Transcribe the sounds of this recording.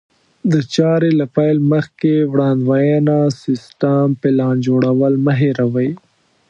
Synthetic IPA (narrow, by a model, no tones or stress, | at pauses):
d̪ət͡ʃɑɾelapajlməxkewɽɑnd̪wɑjɑnasɪsʈampɪlɑnd͡ʒoɽawəlməɦeɾawəj